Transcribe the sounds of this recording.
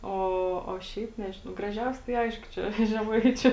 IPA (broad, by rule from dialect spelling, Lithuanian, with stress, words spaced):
ˈoː oː ˈʃʲɛɪp ˈnʲæːʒʲɪnɐʊ ɡrɐˈʒʲɛʊsʲɛ tɐɪ ˈɐɪʃkʊ ˈt͡ʃʲɛ ʒʲɛˈmɐɪt͡ʃʲʊ